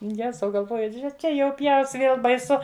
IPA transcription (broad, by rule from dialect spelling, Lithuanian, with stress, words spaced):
ˈjæːzɐʊ ɡɐlˠˈʋoːjʊ ˈʒʲɛ ˈt͡ʃʲɛ jɛʊ ˈpʲjɛʊs ˈʋʲeːlˠ bɐɪˈsʊ